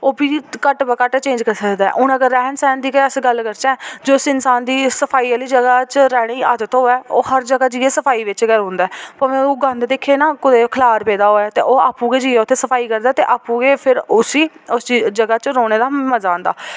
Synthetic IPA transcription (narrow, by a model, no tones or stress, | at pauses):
oːbiːkəʈbəkəʈːt͡ʃẽːɲd͡ʒkəɾsəkd̪aɛ̰ʔʊnəkəːɛːnsɛːnd̪iːkeəsɡəlkəɾt͡ʃɛ̃ɛːd͡ʒoːsɪnsaːnd̪iːsəpʰaːiːəliːd͡ʒəɡaːt͡ʃəɾɛːɽ̃iːa̰ːd͡ʒət̪ɦoːɛːoːɦəɾd͡ʒəɡaːd͡ʒiːeːsəpʰaːiːʋɪt͡ʃɡəɾɦʊ̃ːnd̪aɛːpəmẽɡãnd̪d̪eːkʰeːnãːkʊd̪eːkʰəlaːɾpɛːd̪aːɦoːɛːt̪eːʔoːaːpːũːɡeːd͡ʒiːɛːʊt̪ʰːeːsəpʰaːiːkəɾd̪aːt̪eːʔaːpːũːɡeːpʰɪɾʊsiːʊsd͡ʒəɡaːt͡ʃɾoːɽ̃eːd̪aːməzãːnd̪a̰ː